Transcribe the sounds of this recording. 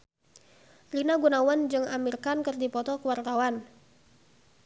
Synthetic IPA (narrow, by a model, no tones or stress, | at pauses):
rinaɡunawand͡ʒɨŋamirkankɨrdipɔt̪ɔkəwart̪awan